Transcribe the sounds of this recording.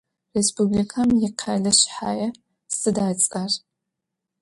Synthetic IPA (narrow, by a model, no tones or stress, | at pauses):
respublikʰamjɪqʰaɮɨɕħaːjɐ | sɨdaːt͡sʼar